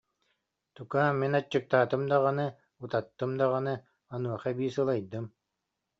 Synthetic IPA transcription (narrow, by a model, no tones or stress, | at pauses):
t̪ukaːmːinat͡ɕːɯk̚t̪aːt̪ɯmd̪aʁanɯ | ut̪at̪ːɯmd̪aʁanɯ | anuɔχabiːsɯlˠajd̪ɯm